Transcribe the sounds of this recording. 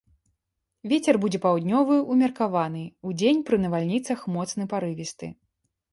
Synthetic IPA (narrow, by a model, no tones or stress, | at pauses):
vʲet͡sʲɛrbud͡zʲɛpawd̪ʲnʲɔvɨumʲɐrkavanɨud͡zʲenʲpɾɨnɐvalʲnʲit̪sɐxmɔt̪snɨpaɾɨvʲist̪ɨ̰